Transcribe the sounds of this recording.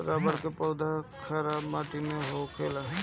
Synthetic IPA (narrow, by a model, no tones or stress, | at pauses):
ɾabəɽkepəwd̪ʱakʰaɾamaʈineɦokʰelaɦ